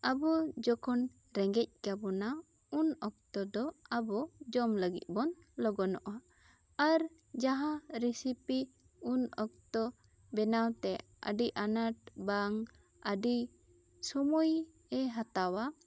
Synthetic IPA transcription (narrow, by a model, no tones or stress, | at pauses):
abɔd͡ʒɔkʰɔn | ɾɛŋɡɛc̚kabɔna | unɔk̚t̪ɔd̪ɔabɔd͡ʒɔmləɡit̪̚bɔn | lɔɡɔnɔʔaː | ɾ | d͡ʒaɦãɾisipi | unɔk̚t̪ɔ | bɛnawt̪ɛ | ə̰ɖiʔanaʈ̚baŋ | əɖi | sɔmuj | ɛɦat̪awa